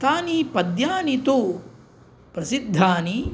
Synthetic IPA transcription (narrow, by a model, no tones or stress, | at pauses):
t̪aːnipɐd̪jaːnit̪o | pɾɐsid̪ʱːaːni